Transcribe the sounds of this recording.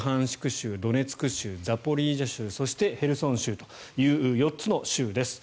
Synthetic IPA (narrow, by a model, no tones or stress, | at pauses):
ɦãɰ̃ɕi̥kɯ̟ɕɨːd̪o̞ne̞t͡sɨ̥kɯ̟ɕɨːd͡zapo̞ɾʲiːʑaɕɨːso̞ɕi̥t̪e̞he̞ɾɯ̟sõ̞ɰ̃ɕɨːt̪o̞̥ | jɯ̟ːɯːjo̞tt͡sɨno̞ɕɨːd̪e̞sɨ̥